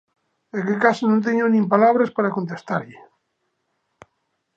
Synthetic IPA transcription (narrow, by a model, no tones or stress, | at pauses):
ekekasonõnt̪̬eɲonĩmpalaβ̞ɾaspaɾakont̪̬est̪aɾʎe